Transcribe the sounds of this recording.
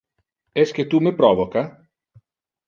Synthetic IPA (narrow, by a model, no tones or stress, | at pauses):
ɛsket̪umepɾɔːvoka